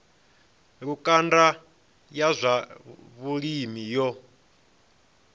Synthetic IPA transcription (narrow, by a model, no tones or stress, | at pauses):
ɺukʼanda | jazʷaβuɺimijɔ